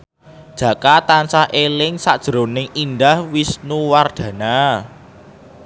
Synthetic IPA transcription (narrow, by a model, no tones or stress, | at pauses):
d̥ʒ̥ä̤kat̪ansahʔelɪŋsad̥ʒ̥ɾo̤nɪŋind̪ahwisnuward̪̥ä̤na